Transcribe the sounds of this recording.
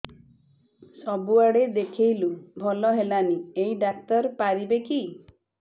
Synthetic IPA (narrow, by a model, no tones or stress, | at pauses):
sɔbuaɽed̪ekʰejlubʱɔlɔɦelaniejɖak̚t̪ɔɾpaɾibeki